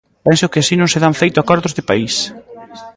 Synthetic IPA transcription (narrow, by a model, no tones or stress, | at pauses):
pɛnsʊkɪasinõŋsɪðaɱfejt̪ʊakɔɾðʊzðɪpais